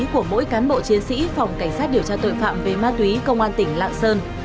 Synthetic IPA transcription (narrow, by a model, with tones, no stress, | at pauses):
ku˧˩əmo̰˧˥jkaː˨˦nɓo̰˧˨t͡ɕi˨˦ənsḭ˧˥fɔ˨˩wŋ͡mka˧˩jŋ̟sa˦˥t̚ɗi˧˩əwt͡ɕaː˧t̪o̰˧˨jfa̰ː˧˨mve˨˩maː˧t̪wi˨˦kə˧wŋ͡mʔaː˧nt̪ï˧˩ŋ̟la̰ː˧˨ŋsəː˧n